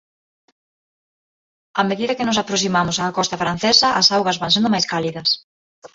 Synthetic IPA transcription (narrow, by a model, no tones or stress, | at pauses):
ameðiðɐkɪnʊsapɾos̬imamʊsaːkɔst̪ɐfɾan̟θesɐʔɐsawɣɐzβaŋsend̪ʊmajskaliðɐs